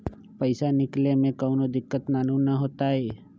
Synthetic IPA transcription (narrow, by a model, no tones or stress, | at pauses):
pəɪsanɪklemẽkəʊnod̪ɪkːət̪naːnũnaɦoːt̪aɦeː